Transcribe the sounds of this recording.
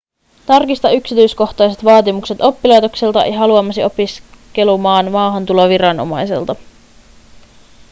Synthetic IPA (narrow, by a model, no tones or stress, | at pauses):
t̪ɑrkist̪ɑyksit̪yjsko̞xt̪ɑjset̪ʋɑːt̪imukset̪o̞pːilɑjt̪o̞kse̞lt̪ɑḛjɦɑluɑmːɑsio̞piske̞lumɑːnmɑːɦɑnt̪ulo̞ʋiɾɑno̞̰mɑjse̞̰lt̪ɑ